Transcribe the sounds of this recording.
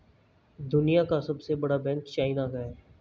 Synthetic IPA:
d̪ʊnijakasɐbsebɐɽabɛ̃ŋkt͡ʃaːɪnakaɦeː

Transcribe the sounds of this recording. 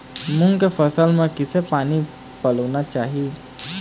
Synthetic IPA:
mʊŋkepʰəsəlmẽkɪsepaːni | pələnat͡ʃaːɦi

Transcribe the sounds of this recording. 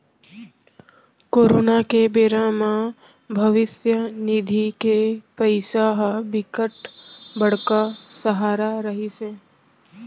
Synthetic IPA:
koːɾoːnakebeːɾãmã | bʱəʋɪsjəniːd̪ʱikepəɪsaɦbɪkəʈbəɽ̤kasəɦaːɾaɾəɦisẽː

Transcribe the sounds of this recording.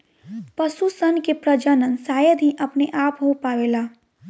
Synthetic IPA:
pəsusənkepɾəd͡ʒənənsaːjəd̪ʱɦĩʔɐpneʔaːpɦopaːʋeːlaː

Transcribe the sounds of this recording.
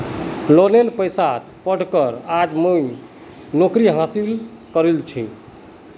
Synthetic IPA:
lonelpəjsat̪pəɽ̤kəɾad͡ʒmuj | nokɾiɦasil | kəɾelt͡ʃʰi

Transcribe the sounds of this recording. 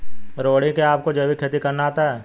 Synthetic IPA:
ɾoːɽĩkeaːp̚kod͡ʒɐbikʰet̪ikɐɾnaːt̪aɦɛː

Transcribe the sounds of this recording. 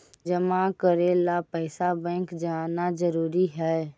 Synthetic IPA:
d͡ʒəmakəɾelapɛːɪsabɛ̃ːkd͡ʒaːnazəɾuːɾiɦɛː

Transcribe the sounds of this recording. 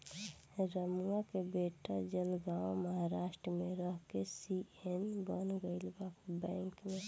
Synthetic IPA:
ɾəmuakebeːʈad͡ʒəlɡaːwoməɦaɾaːʃʈɾəmẽɾəɦkesienbənɡəɪlbakbɛ̃ːŋkmẽ

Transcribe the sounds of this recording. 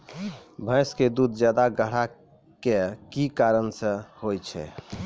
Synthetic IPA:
bʱə̃ɪsked̪ud̪ʱd͡ʒjad̪aɡəɽ̤a | kekikaɾənsə̃hojt͡ʃʰɛ̰

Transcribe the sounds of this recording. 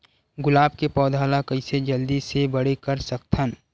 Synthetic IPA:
ɡʊlaːb̚kepɔːd̪ʱaːlakəɪsed͡ʒɐld̪isebɐɽekəɾsək̚t̪ʰən

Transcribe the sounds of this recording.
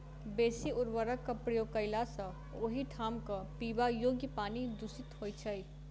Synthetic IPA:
beːsiʊɾʋəɾəkːəpɾijokəɪlasə̃ | oɦiʈʰaːmkəpibajoɡjəpaːnid̪usit̪ɦojt͡ʃʰəj

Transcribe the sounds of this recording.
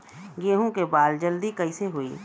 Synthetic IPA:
ɡeːɦõkebaːld͡ʒəld̪ikɐiseɦoḭː

